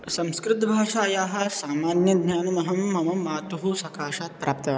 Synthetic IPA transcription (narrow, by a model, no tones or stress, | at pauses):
sɐ̃mskɾɪt̪bʱaːʂaːjaːɦɐ̆saːmaːnjɐd̪ʱɲaːnɐmɐɦɐmːɐmɐaːt̪uɦusɐkaːʂaːt̪̚pɾʔaːp̚t̪ɐʋ